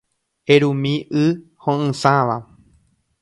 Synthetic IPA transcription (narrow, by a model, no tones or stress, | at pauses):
eɾũmĩʔɨ | hõɨ̃sãʋa